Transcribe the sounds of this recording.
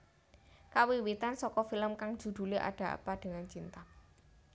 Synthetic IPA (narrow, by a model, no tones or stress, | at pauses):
kawiwit̪ansɔkɔfiləmkaŋ̥ʒ̥ṳd̪̥ṳliʔa̰ɖ̥a̤a̰paɖ̥ə̤ŋant͡ʃint̪a